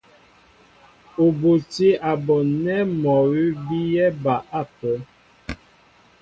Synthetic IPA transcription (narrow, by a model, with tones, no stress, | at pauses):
o˨bo˨ti˦a˨bɔ˨nɛ˦mɔ˨wi˦bi˦jɛ˦ba˨ʔa˦˨pə˦